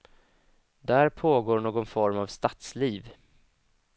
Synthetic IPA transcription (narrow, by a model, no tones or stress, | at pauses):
d̪æɾpʰoːɡoːɳoːɡɔnfɔɾmavst̪at̪sliːv